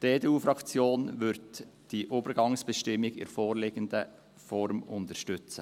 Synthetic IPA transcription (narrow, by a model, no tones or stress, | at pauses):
d̥eːdeuːfɾɑkt͡sjoːnʋʏɾdd̥iːʔoːbəɾɡɑŋsb̥əʃtɪmːɪɡɪ̰ɾfoːɾleɡ̥əndə | fɔɾmʊntəʃtʏt͡sə